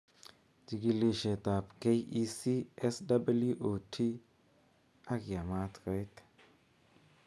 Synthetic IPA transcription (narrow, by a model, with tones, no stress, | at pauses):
d͡ʒi˨ɡi˦li˨ʃe˨t̪a˨pke˦ji˦si˦ɛ˦sda˦ba˦lu˦ʔo˨tʰi˦ | a˦kja˨ma˦t̪ka˨˦t̪